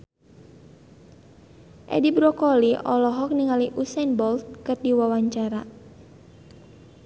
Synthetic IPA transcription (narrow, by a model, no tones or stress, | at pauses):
ʔɛ̰dibɾɔkɔliʔɔ̰lɔɦɔk̚niŋaliʔusɛnbɔlt̪̚kərdiwawaɲt͡ʃaɾa